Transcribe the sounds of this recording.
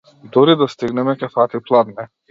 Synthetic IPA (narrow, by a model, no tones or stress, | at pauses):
d̪ɔɾid̪ast̪iɡnɛmɛkɛfat̪iplˠad̪nɛ